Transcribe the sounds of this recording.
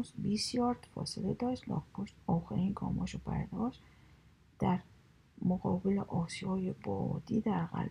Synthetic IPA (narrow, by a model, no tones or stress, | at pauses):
zbisjɒːɾt̪fɒ̰ːseled̪ɒːʃt̪lɒ̰ːɡboʃt̪ɒːxeɾiːnkʰɒ̰ːmɒːʃobæ̰ɾd̪ɒːʃ | d̪̥æɾ | moɣɒːbeleʔɒːsijɒːjebɒ̰ːd̪iːd̪æɾɣæ̰l